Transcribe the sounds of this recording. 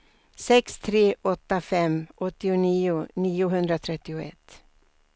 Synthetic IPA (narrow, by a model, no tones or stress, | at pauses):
sɛkst̪ʰɾeːʔɔt̪ːafɛmːʔɔt̪ːɪʊniːʊniːʊɦɵnd̪ɾat̪ʰɾɛt̪ːɪʊɛt̪ː